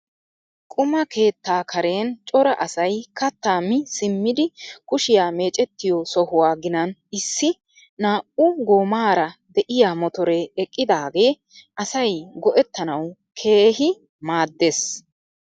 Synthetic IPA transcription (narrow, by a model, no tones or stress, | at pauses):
kʼʊmɐke̞ːt̪ːaːkʰɐɾe̞ːnt͡ʃʼɔɾɐʔɐsɐjkɐt̪ːaːmɪsɪmːɪd̪ɪkʊʃɪjaːme̞ːt͡ʃʼɛt̪ːɪjɔsɔhʊwaːɡɪnɐnɪsːɪ | naːʔʊɡoːmaːɾɐd̪ɛʔɪjaːmɔt̪ɔɾeɛkʼːɪd̪aːɡe̞ː | ʔɐsɐjɡɔʔɛt̪ːɐnɐw | kʰe̞ːɦɪ | maːd̪ːes